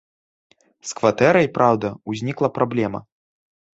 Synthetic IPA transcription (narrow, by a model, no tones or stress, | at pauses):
skvat̪ɛɾɐjpɾawd̪ɐuzʲnʲiklˠɐpɾablʲɛmɐ̰